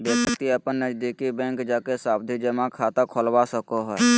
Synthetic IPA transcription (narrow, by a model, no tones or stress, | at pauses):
b̪esəkt̪iəpənːəd͡ʒd̪ikibɛ̃ŋkd͡ʒaːkesaːbd̪ʱid͡ʒəmãkʰat̪akʰolwasəkoɦɛ